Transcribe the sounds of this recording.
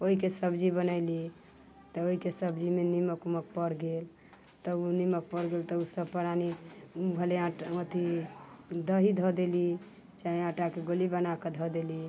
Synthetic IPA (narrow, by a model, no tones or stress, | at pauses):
oɦikesəbd͡ʒibənəɪli | t̪əoɦikesəbd͡ʒimeniməkmək̚pəɽɡel | t̪əunimək̚pəɽɡelt̪ɔusəbpəɽaniubʱəleãot̪ʰi | d̪əɦid̪ʱɔd̪eli | t͡ʃaɦiãʈakeɡolibənaked̪ʱɔd̪eli